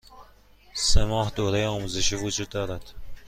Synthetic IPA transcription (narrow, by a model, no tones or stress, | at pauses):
semɒːhd̪oːɾejeɒːmuːzeʃiːvod͡ʒuːd̪ːɒːɾæd̪̥